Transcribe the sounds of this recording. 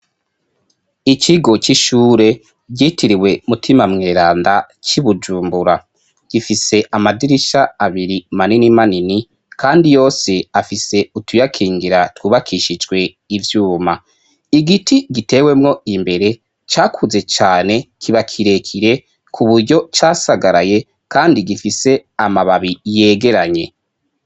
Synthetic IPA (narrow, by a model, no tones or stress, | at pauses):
iciɡo̞t͡ʃiʃuːɾe̞ | ɟɟiːtiɾiwe̞mutʰimamŋe̞ːɾaːnda | t͡ʃiβud͡ʒuːmbuɾa | ɡ̥ifise̞ʔamadiɾiʃaːβiɾimaninimanini | kʰaːndijo̞ːse̞afise̞utujakʰiːŋɡiɾatwuːβakʰiʃid͡ʒɡwe̞ | ivjuːma | iɡitiɡite̞we̞mŋo̞imbe̞ɾe̞ | t͡ʃaːkʰuze̞t͡ʃaːne̞kʰiβakʰiɾe̞kʰiɾe̞ | kʰuβuɾɟo̞t͡ʃaːsaɡaɾaje̞ | kaːndiɡifise̞amaβaβije̞ːɡe̞ɾaɲe̞